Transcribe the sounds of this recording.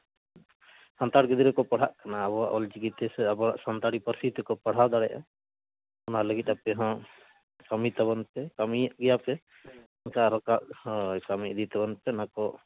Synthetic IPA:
sant̪aɽɡəd̪iɾɛkɔpaɽ̤aʔkanaːbɔaʔɔld͡ʒiɡit̪ɛsɛabɔɾaʔsant̪aɽipəɾsit̪ɛkɔpaɽ̤awd̪aɽɛja̰ | ɔnaləɡit̪̚apɛɦã | kamit̪aβɔnpɛkamiaʔɡɛjapɛ | ɛnkaɾɔkaʔkamid̪it̪abɔnpɛnakɔ

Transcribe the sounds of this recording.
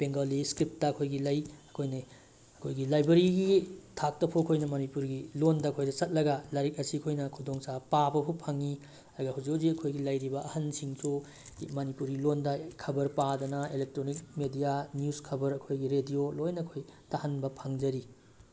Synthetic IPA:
peŋɡɐliskɾip̚tɐːkʰojɡilɐjɐkʰojnɐ | ɐkʰojɡilajbɐɾiɡitʰak̚tɐpʰuɐkʰojnɐmɐnipuɾɡilondɐɐkʰojdɐsɐt̚lɐɡɐlɐɾik̚ɐsiɐkʰojnɐkʰudoŋsapabɐpʰupʰaŋi | ɐɾɡɐhuzikʰuziɐkʰojɡilɐjɾibɐʔɐhɐnsiŋsʰu | mɐnipuɾɡilondɐkʰːɐbɐɾpadɐnɐelek̚tɾonik̚medijanjuskʰɐbɐɾɐkʰojɡiɾediolojnɐkʰojtahɐnbɐpʰaŋd͡ʒɐɾi

